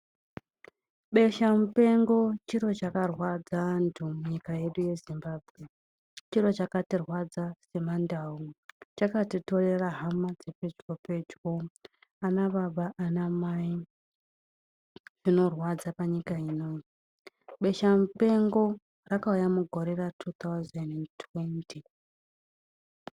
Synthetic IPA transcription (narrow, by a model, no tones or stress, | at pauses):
ɓe̞ʃamupe̞ŋɡo̞t͡ʃiɾo̞t͡ʃakarwad͡zaantʰumuɲikaje̞ɗuje̞zimbaːbʱɣe̞ | t͡ʃiɾo̞t͡ʃakatirwad͡zase̞mandaut͡ʃakatito̞re̞raɦamad͡zepe̞d͡ʒko̞pe̞d͡ʒwo | anaɓaɓaʔːnamai | ʐ̥ino̞rwad͡zapaɲikaino̞i | ɓe̞ʃamupe̞ŋɡo̞ | rakaujamuɡʱo̞ɾe̞ratʰut̪awzendentʰwentʰi